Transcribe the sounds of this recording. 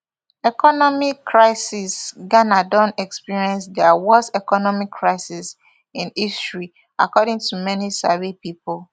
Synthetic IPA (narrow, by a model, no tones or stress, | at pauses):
ɛkɔnɔmikːɹaɪsisɡanadɔ̃nɛkspiɹiɛ̃nsdɛwɔsɛkɔnɔmikʰːɹaɪsis | ĩnistɹi | a̰kɔɾĩŋtʰumɛnisavipipol